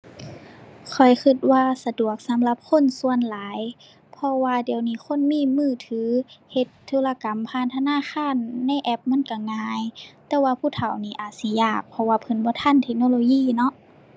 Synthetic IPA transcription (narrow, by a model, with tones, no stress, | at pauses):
kʰɔ˨˩jxʰɯ˧˩t̪̚waː˧sa˧du˨˩ək̚sa˨˦mla˧˦p̚kʰo˧˥˨nsu˧ənlaː˨˦j | pʰɔ˧waː˧di˨˩˦əwniː˧˩xʰo˧˥˨nmiː˧˥˨mɯː˧˥˩t̪ʰɯː˨˦he˧˦t̪ʰːuː˧˥˨la˧ka˨˦mpʰaː˧˨nt̪ʰa˧naː˧˥˨xʰaː˧˥˨nːa˧˥˨jʔɛ˧p̚mɯ˧˥˨nka˧˩ŋaː˧jt̪ɛː˧waː˧pʰuː˧˥˨t̪ʰa˨˩wniː˧˩˨ʔaː˨˩t̪̚si˧˦jaː˧˩k̚pʰɔ˧waː˧˩pʰɤ˨˦nbɔː˧˦t̪ʰa˧˥˨nt̪ʰe˧k̚noː˧˨loː˧jiː˧˥˨nɔ˧˦ʔ